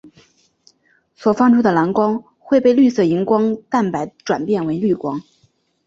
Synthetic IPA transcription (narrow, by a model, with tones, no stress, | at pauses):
swɔ˨˩fɑ˥ŋʈ͡ʂʰu˥d̪ə˨la˧˥nkwɑ˥ŋ | xwe˥˧ɪpe˥˧ɪly˥˧sɤ˥˩i˧˥ŋkwɑ˥ŋt̪a˥˩npa˧˥ɪʈ͡ʂwa̰˨˩npjɛ˥˩nwe˧˥ɪly˥˩kwɑ˥ŋ